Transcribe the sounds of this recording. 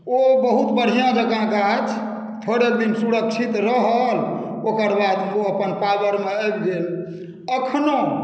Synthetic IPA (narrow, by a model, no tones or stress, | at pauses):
obəɦut̪bəɽ̤ijãd͡ʒəɡãɡat͡ʃʰ | t̪ʰoɾek̚d̪insuɾəkt͡ʃʰit̪ɾəɦəlokəɾbad̪oəpənpabəɾmeəbd̪el | əkʰno